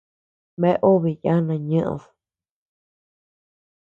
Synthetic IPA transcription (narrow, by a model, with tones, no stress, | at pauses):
mẽ˧ʔo˦βi˨ja˦nã˧ɲɨ̃˦ʔð